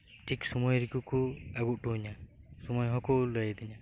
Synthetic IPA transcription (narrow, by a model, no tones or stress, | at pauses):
ʈʰiksumujɾikukuaɡuʔʈuɦɲasumɔjɦɔkɔləjd̪iɲa